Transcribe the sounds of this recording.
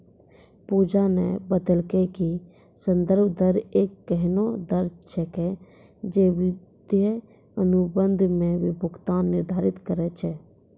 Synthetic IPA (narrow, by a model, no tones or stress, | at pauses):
puːd͡ʒanḛbəd̪əlkeki | sə̃nd̪əɾbʱd̪əɾeːkːəɦnod̪əɾt͡ʃʰəke | d͡ʒeʋɪd̪̥jə | ənʊbə̃nd̪ʱmẽʋɪbʱʊkt̪anːɪɾd̪ʱaːɾɪt̪kəɾɛt͡ʃʰɛː